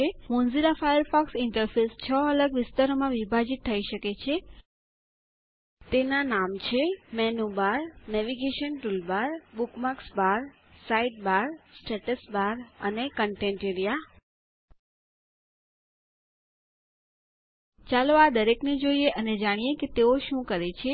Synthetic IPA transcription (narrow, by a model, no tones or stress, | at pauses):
emõnziɾafajəɾfɔksɪɳʈəɾfest͡ʃʰəələɡʋɪst̪aɾomãʋibʱad͡ʒit̪ʰːəiʃəket͡ʃʰe | t̪enanamt͡ʃʰemɛnubaɾnɛʋiɡeʃənʈulbaɾbukmaksbaɾ | saiɖ̚baɾsʈeʈəsbaɾənekəɳʈẽɳʈeɾija | t͡ʃaload̪əɾekned͡ʒoieʔəned͡ʒaɽ̃ijeket̪eoʃũkəɾet͡ʃʰe